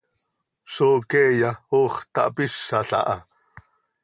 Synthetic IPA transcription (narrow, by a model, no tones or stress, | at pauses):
ʃoːkɛjaoːχt̪ɑʔpiʃːaɬa̰ʔɑ